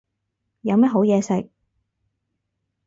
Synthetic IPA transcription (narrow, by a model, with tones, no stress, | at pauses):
jɐ˨˧wmɐ˥t̚ɦo˨˥wjɛː˨˧sɪ˨k̚